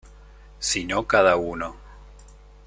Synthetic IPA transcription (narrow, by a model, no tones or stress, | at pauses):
sinokaðauno